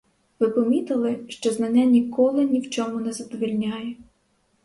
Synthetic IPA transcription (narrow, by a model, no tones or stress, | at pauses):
ʋɪpɔmʲit̪ɪlˠɪʃt͡ʃɔznɐnʲanʲikɔlˠɪnʲiwt͡ʃɔmʊnɛzɐd̪ɔʋʲilʲnʲajɛ